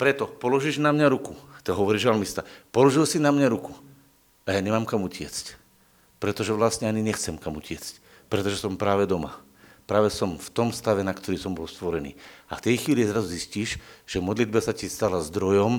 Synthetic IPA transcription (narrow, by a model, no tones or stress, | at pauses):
pɾɛt̪ɔpɔlɔʒiːʒnamɲaɾukut̪ɛɦɔʋɔɾiːʒalmist̪apɔlɔʒilsinamɲaɾuku̥ | ajaːɲɛmaːmkamucɪɛt͡sc | pɾɛt̪ɔʒɛʋlasɲɛaɲiɲɛxt͡sɛmkamucɪɛt͡sc | pɾɛt̪ɔʒɛsɔmpɾaːʋɛd̪ɔma̰ | pɾaːʋɛsɔmft̪ɔmst̪aʋɛnakt̪ɔɾiːsɔmbɔlst̪ʋɔɾɛnḭːaft̪ɛjxʋiːlizɾazuzisciːʃʒ̥ɛmɔd̪lid̪̚basacist̪alazd̪ɾɔjɔm